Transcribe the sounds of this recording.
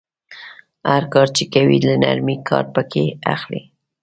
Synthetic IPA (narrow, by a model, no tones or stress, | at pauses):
haɾkɑɾt͡ʃekawilana̰ɾmikʰɑ̰ɾpəkʰeaxli